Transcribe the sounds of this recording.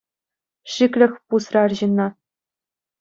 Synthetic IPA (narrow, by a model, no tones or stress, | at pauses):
ʃiklʲɘ̆xpusrɑrʑinːɑ